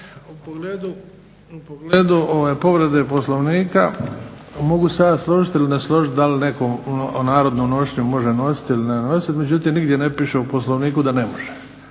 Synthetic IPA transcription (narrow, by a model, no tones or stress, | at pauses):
upoɡleːd̪u | upoɡleːd̪uʔoʋajpo̞ʋɾed̪e̞po̞slˠoʋniːka | mo̞ɡusad̪aslˠoʒit̪ilineslˠoʒit̪d̪alinekonaːɾo̞d̪nomno̞ʃeɲumo̞ʒeno̞si̥t̪ilinenosit̪med͡ʑut̪iːmniɡd̪jenepiːʃeuposlˠoʋniːkud̪anemoʒ̥e